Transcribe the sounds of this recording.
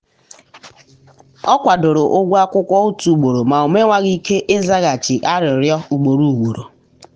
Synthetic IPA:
ɔ˦kʷa˨do˨ɾo˨ʔo˦ɡʷu˦a˦kʷʊ˦kʷɔ˦ʊ˦tu˨u˨ɡ͡bo˨ɾo˨ma˨o˨me˦ŋʷa˦ɣi˦ke˦ʔe˦za˦ɣa˨t͡ʃɪ˨ʔa˦ɾɪ˨ɾjɔ˦u˨ɡ͡bo˨ɾu˨ɡo˨ɾo˨

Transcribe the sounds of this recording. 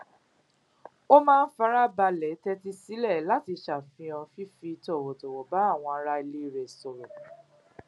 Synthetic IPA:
o˦mãː˦˧n̩˦fa˧˦ɾa˦ba˧lɛ˨˦tɛ˦ti˦si˨˦lɛ˦˨la˦ti˧ʃa˨fĩ˧ɔ̃˧fi˦fi˧tɔ˦˨wɔ˨tɔ˨wɔ˨ba˨˦a˦˨w̃ɔ̃˧a˧ɾa˧i˧le˦˨ɾɛ˨sɔ˨ɾɔ˨

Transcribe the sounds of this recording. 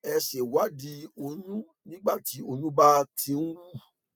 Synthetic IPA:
ɛ˧ʃe˨wa˨˦di˧o˧nũ˦ | nĩ˦ɡ͡ba˦˨ti˨˦o˧nũ˦ba˦˧tʰĩ˧˦n̩˦wu˦˨

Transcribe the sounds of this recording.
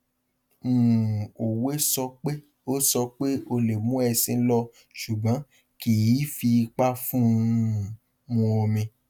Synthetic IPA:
m̩̃˨o˨we˨˦sɔ˧k͡pe˦ | o˦sɔ˧k͡pe˦o˧le˨mũ˨˦ɛ˧sĩ˧˦lɔ˦ | ʃu˨bã˨˦ | ki˨ji˨˦fi˧k͡pa˦fũ˦˨ | mũ˧o˧mĩ˧

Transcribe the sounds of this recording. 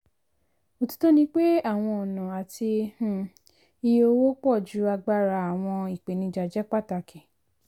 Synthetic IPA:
o˦tu̥˦to˦nĩ˧k͡pe˦a˦˨w̃ɔ̃˧ɔ˨nã˨a˨ti˧h̩˦˨ | i˧jo˧wo˦k͡pɔ˦˨d͡ʒu˨˦a˧ɡ͡ba˦˧ɾa˧a˨w̃ɔ̃˧i˨k͡pe˨nĩ˧d͡ʒa˨d͡ʒɛ˦k͡pa˦˨ta˧kʰi˨

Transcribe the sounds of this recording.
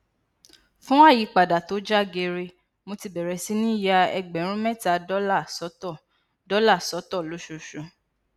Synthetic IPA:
fũ˦wa˦˨ji˨˦k͡pa˨da˨to˨˦d͡ʒa˦ɡe˧ɾe˧ | mo˧ti˧bɛ˨ɾɛ˨˧si˦nĩ˦ja˧ɛ̰˧ɡ͡bɛ˨˦ɾ̃ũ˦mɛ̃˦ta˨dɔ˦la˦˨sɔ˨˦tɔ˦˨ | dɔ˨˦la˦˨sɔ˨˦tɔ˦˨lo˨˦ʃo˧ʃo˧

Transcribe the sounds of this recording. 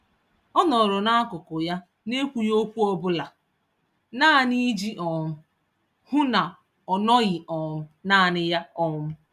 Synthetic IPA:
ɔ˦nɔ˨ɾɔ˨na˦kʊ˨kʊ˨ja˦ | ne˦kʷu˨jo˦kʷu˦ɔ˦bʊ˦la˨ | naː˦˨ni˦d͡ʒi˦ʔɔ˨mʊ˦ | hʊ˦na˨ | ɔ˨nɔ˦ɣɪ˨ʔɔ˨ʊ˦na˦˨nɪ˦ja˦ɔ˦ʊ˦

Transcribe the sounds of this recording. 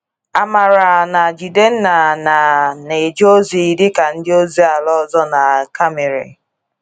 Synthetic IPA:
a˨ma˨ɾa˨na˨d͡ʒi˨de˦n̩˦na˨na˨ne˨d͡ʒo˦zi˨i˨dɪ˦ka˨n̩˦dɪ˦o˦zi˦a˨lɔ˦zɔ˦na˨ka˦me˨ɾḛ˨

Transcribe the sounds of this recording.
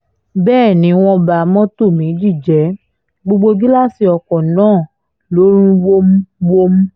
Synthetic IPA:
bɛː˦˨nĩ˨˦w̃ɔ̃˧ba˨˦mɔ̃˦to˦˨mĩ˨˦d͡ʒi˦˨d͡ʒɛ˨˦ | ɡ͡bo˧ɡ͡bo˧ɡi˦la˦˨si˧ɔ˨kɔ̃˨nãː˦˨ | lo˨˦ɾ̃ĩ˧wo˦m̩˦wo˦m̩˦

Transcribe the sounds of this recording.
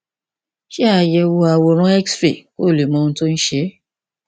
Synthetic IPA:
ʃe˦a˧˨jɛ˧wo˧a˧wo˧ɾ̃ɔ̃˦ɛ˦ksfe˨ko˦˨le˨mɔ̃˧ñ̩˦to˦n̩˦ʃe˦

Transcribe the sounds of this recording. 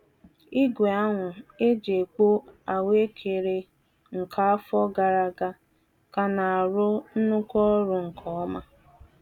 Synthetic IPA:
i˦ɡʷe˨a˦ŋʷʊ˨e˦d͡ʒe˨k͡po˦a˨we˦kʰe˨ɾe˨ | ŋ̩˨kʰa˦a˦fɔ˦ɡa˨ɾa˨ɡa˦ | ka˨na˨a˨ɾʊ˦n̩˦nʊ˦kɔ˦ɾʊ˨ŋ̩˨kʰɔ˦ma˦

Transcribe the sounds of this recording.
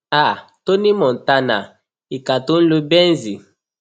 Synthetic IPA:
a˦˨ | to˦ni˦mɔ˨n̩˨ta˦na̰˨ | i˨ka˨to˦n̩˦lo˦bɛ˦nzi˨

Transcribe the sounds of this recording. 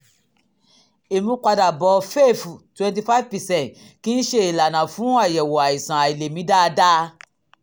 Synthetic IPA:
e˨mĩ˦kʷa˧da˨bɔ˨˧fe˦˨fu˨twɛ̃˧nt̬i˧fa˦vpɛ˨sɛ̃˦˨nt | kĩ˦n̩˦ʃe˦i˨la˨nã˨fũ˨˦a˦˨jɛ˨wɔ˨a˨i˨sã˨a˨i˨le˨mĩ˨˦da˦˧da˦

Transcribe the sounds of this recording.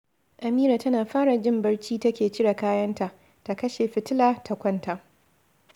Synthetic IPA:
ʔa˨miː˦ɾaː˨tɐ˦naː˨ɸaː˦ɽa˨d͡ʒɪ˦mbɐ˦ɽt͡ʃiː˦tɐ˦kʲeː˨t͡ʃɪ˦ɽa˨kaː˦jɐ˦nta˨ʔ | ta˨kɐ˦ʃe˨ɸɪ˨tɪ˦laː˨tʰa˨kʷɐ˦ntʰa˨ʔ

